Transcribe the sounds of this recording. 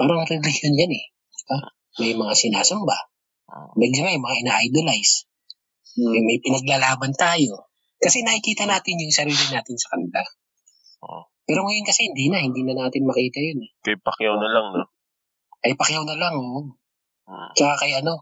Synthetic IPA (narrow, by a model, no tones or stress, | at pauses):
paːɾɐŋɾɛlɪhjond͡ʒɐnɛ | t͡ʃka | mɐjmɐŋasɪnaːsɐmba | mɛɡ̚lɐmajʊmɐŋaʔɪnaːʔjd̪olajs | ɛmɐjpɪnɐɡ̚laːlaːbɐnt̪aːjo̞ | kɐsɛnɐkɪkiːt̪ɐnaːt̪ɪnjʊŋsɐɾiːlɪnaːt̪ɪnsɐ̥kɐnɪla | pɛːɾoŋɐjonkɐsɛhɪnd̪iːnɐhɪnd̪iːnɐnaːt̪ɪnmɐkiːt̪ɐjonɛkɐjpɐkjawnɐlaŋno | kɐjpɐkjawnɐlaŋoʔ | t͡ʃɐkakɐjʔɐno̞